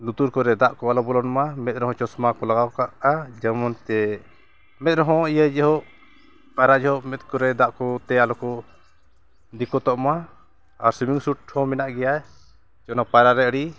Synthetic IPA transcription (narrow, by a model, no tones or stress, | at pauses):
nut̪uɾkɔɾɛd̪aʔkɔalɔbɔlɔnmamɛt̪̚ɾɔɦɔ̃t͡ʃɔsmakɔlaɡawkaʔad͡ʒɛmɔnt̪ɛ | mɛt̪̚ɾɔɦɔ̃ijəd͡ʒɛɦɔʔ | paɾad͡ʒɛɦɔʔmɛt̪̚kɔɾɛd̪aʔkɔt̪ɛalɔkɔ | d̪ikɔt̪ɔʔma | aɾsimiŋsuʈ̚ʰɔmɛnaʔɡɛja | t͡ʃɔnapaɾaɾɛɽi